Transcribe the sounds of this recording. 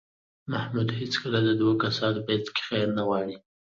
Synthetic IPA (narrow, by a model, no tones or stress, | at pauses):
mahmud̪het͡skəlad̪əd̪wakasɑnbajt̪kɪ̥xaɾnawɑɽi